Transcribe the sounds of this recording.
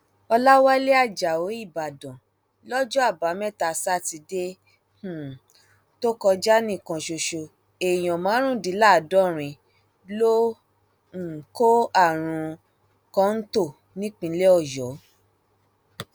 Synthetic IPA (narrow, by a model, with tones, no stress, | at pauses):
ɔ˧la˦wa˦le˦a˦˨d͡ʒa˨o˨˦i˦˨ba˨dɔ̃˨ | lɔ˦d͡ʒɔ˦a˦˨ba˨˦mɛ̃˦ta˧sa˦ti˧de˦ | hũ˦˨ | to˦kɔ˧d͡ʒa˦nĩ˦˨kɔ̃˨ʃo˨ʃo˨ | e˨j̃ɔ̃˨mãː˨˦ɾ̃ũ˦˨di˨˦la˦˨dɔ˦ɾ̃ĩ˧ | lo˦˨ | ko˦a˦˨ɾ̃ũ˧ | kɔ̃˦n̩˦to˦˨ | nĩ˦k͡pĩ˧˦le˦ɔ˦˨jɔ˨˦